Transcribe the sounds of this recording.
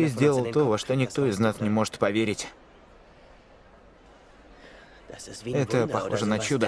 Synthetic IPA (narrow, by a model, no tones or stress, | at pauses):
ɨzʲdʲe̞lˠəlˠt̪o̞vəʂt̪o̞nʲɪk̚t̪o̞ɪznasnʲɪmo̞ʐɨ̥t̪pɐvʲeɾʲɪtʲ | ɛt̪əpɐxo̞̰ʐənɐt͡ɕud̪ə